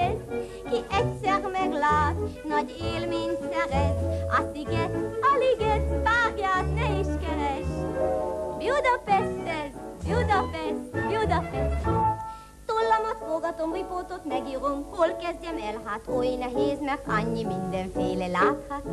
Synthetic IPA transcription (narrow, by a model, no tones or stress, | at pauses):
ɛ | kiʔɛcsɛrmɛɡlaːt̪nɒɟeːlmeːɲsɛɾɛnɒt̪iɡɛt̪ɒliɡɛt̪taːɡjaːt̪nɛiʃkɛɾɛʃ | bjud̪ɒpɛst̪ɛt | bjud̪ɒpɛst̪bjud̪ɒpɛʃt̪ | t̪olːɒmɒt̪foɡɒt̪omripoːt̪ot̪mɛɡiːɾomkolkɛzɟɛmɛlɦaːt̪ojnɛɦeːzmɛkɒɲːimind̪ɛɱfeːlɛlaːt̪hɒt̪